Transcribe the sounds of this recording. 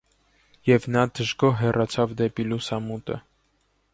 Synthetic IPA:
jɛvnɑd̪əʒɡɔɦɛrɑt͡sʰɑvd̪ɛpilusɑmut̪ə̰

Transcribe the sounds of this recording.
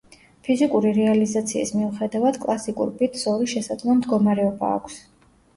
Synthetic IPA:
pʰizikʼuɾiɾɛalizat̪sʰiḭsmiuχɛd̪avad̪kʼlˠasikʼṵɾbit̪ʰz̥ɔɾiʃɛsad̪zlˠɔmd̪ɡɔmaɾɛɔba̰ːkʷʰs

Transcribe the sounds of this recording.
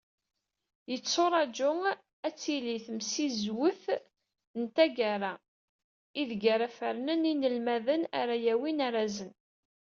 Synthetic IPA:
jət͡sːoɾˤɑd͡ʒʊ | æt͡sːiliθəmsizwəθ | nt̪æɡaɾˤa | iðɡaɾafəɾnəninəlmæðəna̰ɾajæwinaɾazən

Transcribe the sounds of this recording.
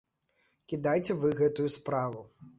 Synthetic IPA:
kʲid̪ajt͡sʲɛvɨɣɛt̪ujuspɾavu

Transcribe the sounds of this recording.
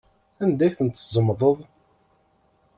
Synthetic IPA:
ænd̪æjθənt̪ːzˤəmðˤəðˤ

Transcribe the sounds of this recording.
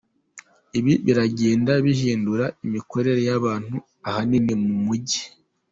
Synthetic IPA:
iβiβiɾaɟe̞ːndaβihiːnduɾaimiko̞ɾe̞ɾe̞jaβaːn̥hu | ahaninemumuɟi

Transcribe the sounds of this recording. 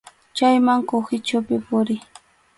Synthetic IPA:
t͡ʃajmaŋkoxɪt͡ʃʊpɪpʊɾɪ

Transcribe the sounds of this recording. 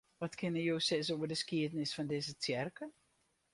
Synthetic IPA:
ʋɔtkʰɪnəjowsɪs̬oːərdəskiədənɪsfɔndɪzət͡sjɛrkə

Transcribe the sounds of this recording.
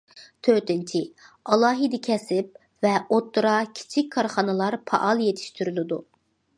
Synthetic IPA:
t̪ʰøt̪ɪnt͡ʃʰiɑlˠɑːɦid̪ɪkʲʰɛsɪp̚ | vɛot̪ːuɾɑkʲʰi̥t͡ʃʰikʲkʰːɑɾχɑnɨlˠɑɾpʰɑ̰ʔɑlˠjet̪ʰi̥ʃt̪ʰyɾylˠɪd̪u

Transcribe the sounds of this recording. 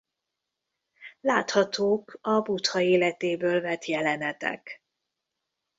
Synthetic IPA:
laːt̪hɒt̪oːkɒbut̪hɒeːlɛt̪eːbøːlvɛt̪jɛlɛnɛt̪ɛ̰k

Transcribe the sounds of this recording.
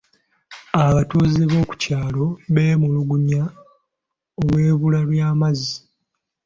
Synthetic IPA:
aβatuːzeβo̞ːku̥caːlo̞βe̞ːmuluɡuɲa | olwe̞ːβulalwjaːmazi

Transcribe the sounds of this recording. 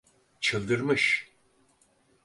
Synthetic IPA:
t͡ʃʰɯlˠd̪ɯɾmɯʃ

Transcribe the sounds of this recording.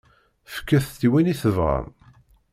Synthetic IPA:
fə̥kːæθt̪ːiwiniθəvʁə̰m

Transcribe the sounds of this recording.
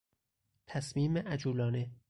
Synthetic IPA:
t̪ʰæsmiːmeʔæd͡ʒuːlɒːne

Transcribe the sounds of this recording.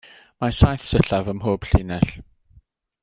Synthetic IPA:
masajθsəɬavəmɦoːb̥ɬiːnɛɬ

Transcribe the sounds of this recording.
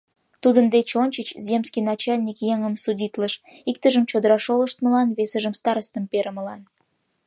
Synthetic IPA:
t̪ud̪ənd̪et͡ɕonʲt͡ɕət͡ɕzʲemskʲijnɑt͡ɕɑlʲnʲikjeŋəmsudʲit̪ləʃik̚t̪əʒəmt͡ɕod̪əɾɑʃoləʃt̪məlɑnvesəʒəmst̪ɑɾəst̪əmpeɾəməlɑn

